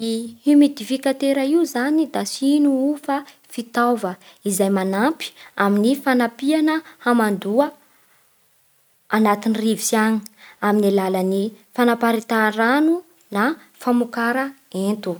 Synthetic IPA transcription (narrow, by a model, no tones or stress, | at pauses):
iimid̪ifikat̪eɾaiwzanid̪asinuufa | fit̪avəizajmanampi̥aminifanapianəhamand̪uə | anat̪inirivisani̥aminalalani | fanapaɾit̪aɾanu | na | famukaɾaent̪u